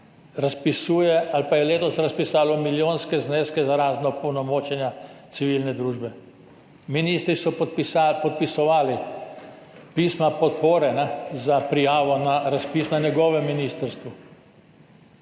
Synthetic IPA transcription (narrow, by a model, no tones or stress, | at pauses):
ɾaspisujɛalpajɛleːt̪ɔsɾaspisaːlɔmiljoːnskɛzneːskɛzaɾaːznɔpɔwnɔmoːt͡ʃɛnjasiʋiːlnɛd̪ɾuːʒbɛ | miniːst̪ɾisɔpɔt̪̚pisɔʋaːli | pismapɔt̪poːɾɛnazapɾijaːʋɔnaɾaspiːsnanjɛɡɔːʋɛmːiniːst̪əɾst̪ʋu